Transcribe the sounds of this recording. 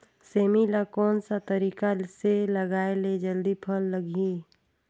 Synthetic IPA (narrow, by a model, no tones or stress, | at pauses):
seːmilakɔːnsat̪əɾiːkaseləɡaːeled͡ʒəld̪ipʰəlːəɡi